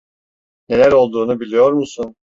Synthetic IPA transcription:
ne̞lʲæɾo̞lˠd̪uːnubilʲijo̞ɾmusun

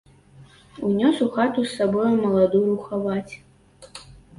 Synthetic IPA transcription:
unʲɔsuxat̪usːabɔjumɐlˠad̪uɾuxavat͡sʲ

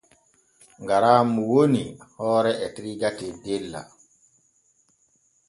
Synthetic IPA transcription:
ŋɡaɾaːmuwonihɔːɾɛʔɛtɾiɡatɛdelːa̰

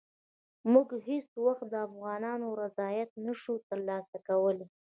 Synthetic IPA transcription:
mʊɡɦeswaxt̪̚d̪əafɣɑnɑnoɾazɑjat̪̚naʃut̪əɾlɑsakawəle

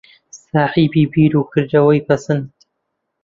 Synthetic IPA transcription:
saːħiːbiːbiːɾuːkʰɨɾd̪ɐwɐjpʰɐsɨnd̪̥

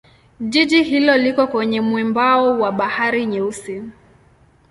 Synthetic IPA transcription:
ʄiʄihilɔlikɔkwɛɲɛmwɛmbaɔwaɓahaɾiɲɛusi

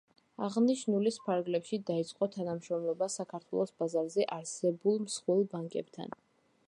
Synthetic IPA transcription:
aʁniʃnulispʰaɾɡlɛpʃid̪ait̪sʼqʼɔt̪ʰanamʃɾɔmlˠɔbasakʰaɾt̪ʰwɛ̰lˠɔsbazaɾzɛʔaɾsɛbulˠmsχwɛlˠbaŋkʼɛ̰bt̪ʰa̰n

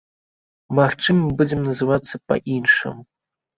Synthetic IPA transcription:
maxt͡ʂɨmɐbud͡zʲɛmnɐzɨvat̪sːɐpɐ̰ʔinʂɨ̰m

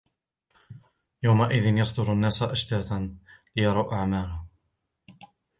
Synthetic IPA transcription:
jawmaʔɪðɪnjɑsˤd̪ʊɾanːaːsaʔaʃt̪aːt̪anlɪjɑɾˤɑwʔaʕmaːlʊh

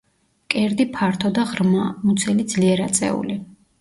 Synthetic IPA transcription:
kʼɛɾd̪ipʰaɾt̪ʰɔd̪aʁɾmamut̪sʰɛlid̪zliɛɾat̪sʼɛ̰ṵli

